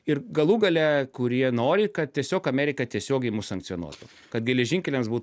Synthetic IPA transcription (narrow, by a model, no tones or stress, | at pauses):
ɪrɡɐlˠuːɡɐlʲɛkʊɾʲiɛnoːɾʲɪkɐt̪̚tʲiɛsʲoːkɐmʲɛːɾʲɪkɐt̪ʲiɛsʲoːɡʲɛɪmʊsɐŋk̪̚sʲjonṵɔt̪ʊ | kɐt̪ɡʲɛlʲɛʒʲɪŋʲkʲɛlʲɛmsbuː